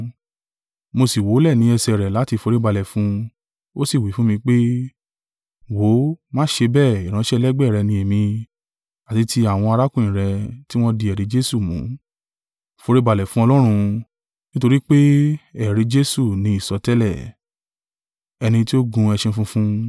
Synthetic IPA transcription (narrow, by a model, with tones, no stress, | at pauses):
mo˧si˨wo˨˦lɛ˦˨nĩ˨˦ɛ˧sɛ˨ɾɛ˨la˨˦ti˧fo˧ɾi˦ba˧lɛ˨fũ˨˦ | o˦si˦˨wi˨˦fũ˦mĩ˧k͡pe˦ | wo˨˦mãː˦ʃe˧bɛː˦˨i˨ɾ̃ã˧˦ʃɛ˦˧lɛ˦ɡ͡bɛ˦˨ɾɛ˧nĩ˧ɛ˨mĩ˧ | a˨ti˨˧tʰi˧˦a˦˨w̃ɔ̃˧a˧ɾa˦kũ˦˨ĩ˨ɾɛ˧ti˦w̃ɔ̃˦di˧ɛ˨ɾi˨˦d͡ʒe˦su˦˨mṵ̃˨˦ | fo˧ɾi˦ba˧˨lɛ˨fũ˦ɔ˧lɔ˦ɾ̃ũ˧ | nĩ˦to˧ɾi˦k͡pe˦ɛ˨ɾi˨˧d͡ʒe˦su˦˨nĩ˧˦i˦˨sɔ˧tɛ˦lɛ˦˨ | ɛ˧nĩ˧ti˦o˦ɡũ˧ɛ˧ʃẽ˧fũ˦fũ˦